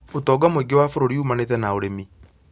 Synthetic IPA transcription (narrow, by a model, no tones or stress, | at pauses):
otɔɡamoiɡewafoɾoɾiumanetɛnaoɾemi